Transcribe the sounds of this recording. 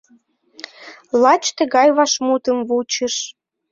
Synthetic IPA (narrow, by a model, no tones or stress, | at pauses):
lɑt͡ɕt̪ĕɣɑjβɑʃmut̪ə̆mvut͡ɕə̆ʃ